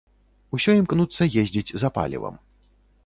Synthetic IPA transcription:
usʲɔimknut̪sːɐjezʲd͡zʲid͡zʲzɐpa̰lʲḭvɐ̰m

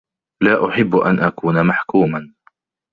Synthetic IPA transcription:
laːʔʊħɪbːʔa̰nʔakuːnamaħkuːma

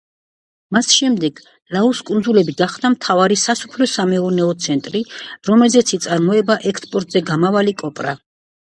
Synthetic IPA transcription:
masʃɛmd̪ɛɡ̥ | lauskʼund̪zulɛbiɡaχd̪amt̪ʰavaɾisasu̥pʰlɔsamɛɔnɛɔt̪sʰɛnt̪ʼɾiɾɔmɛlzɛt̪sʰit̪sʼaɾmɔɛbaʔɛkspʼɔɾt̪ʼzɛɡamavalikʼɔpʼɾa

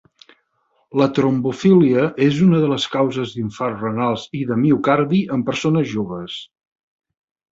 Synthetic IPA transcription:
lət̪ɾombufiliəʔezunəðələskawzəzðiɱfarrənalˠziðəmiukaɾðiʔəmpəɾsonəzʒoβəs

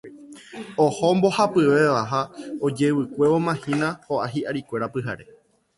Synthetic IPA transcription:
ohombo̞hapɨʋe̞ʋaɦaod͡ʒe̞ʋɨkʷe̞ʋomãhĩnãhoʔaɦiʔaɾikʷe̞ɾapɨɦa̰ɾe̞̰

